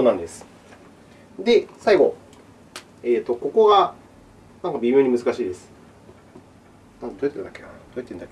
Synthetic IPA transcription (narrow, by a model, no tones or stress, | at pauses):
onãnd̪e̞sɨ̥ | d̪e̞saiɡo̞̰ | eːt̪ːo̞ko̞ko̞ɡa | nãŋkabʲimʲjo̞ːɲ̟imɯ̟zɨkaɕiːd̪e̞sɨ̥ | nãnt̪t̪oet̪ed̪aked̪o̞eit̪ːend̪ake